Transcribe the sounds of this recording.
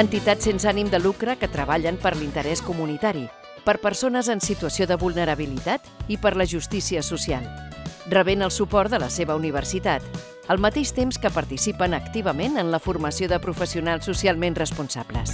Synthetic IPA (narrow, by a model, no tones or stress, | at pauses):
ənt̪it̪at̪sensanimd̪əlukɾəkət̪ɾəβ̞aʎəmpəɾlint̪əɾɛskumunit̪aɾi | pəɾpəɾsonəzənsit̪uəsioðəβulˠnəɾəβilit̪at̪ipəɾləʒust̪isiəsusialˠrəβenəlˠsupɔɾt̪d̪ələseβəuniβ̞ərsit̪at̪ | əlˠmət̪eʃt̪emskəpəɾt̪isipənəkt̪iβəmenənləfurməsioðəpɾufəsiunalˠsːusialˠmenrəspunsa̰blə̰s